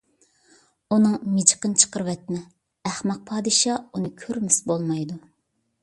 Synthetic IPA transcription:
unɨŋmɪd͡ʒqənt͡ʃʰə̥qəɾvɛt̪̚mɛ | æχmɑq̚pʰɑːd̪ɨʃɑunɨkʲʰøɾmɪsbolˠmɑjd̪u

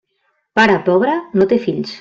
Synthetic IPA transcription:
paɾapɔβɾanot̪efiʎs

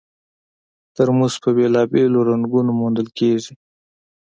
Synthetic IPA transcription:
t̪əɾmuzpəbelɑbeloɾaŋɡunomond̪əlkeʐi

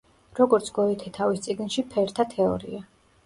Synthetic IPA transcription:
ɾɔɡɔɾt̪sʰɡ̥ɔɛt̪ʰɛt̪ʰavist̪sʼiɡnʃipʰɛɾt̪ʰat̪ʰɛɔ̰ɾḭa

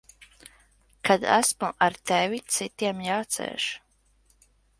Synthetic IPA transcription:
kʰad̪æ̰smuʔaɾt̪ɛvit̪sit̪iɛmjaːt̪sɛ̰ːʃ

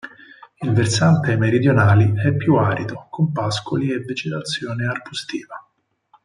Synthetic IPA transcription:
ilversant̪emeɾid̪jonaːliɛpːjuaːɾid̪okompaskolievːed͡ʒet̪at̪sːjoːnearposit̪iːva

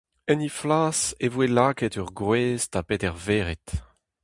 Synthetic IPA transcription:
ɛniflaːsevwelaːkɛtœʁɡʁweːztapetɛʁveːʁet̪

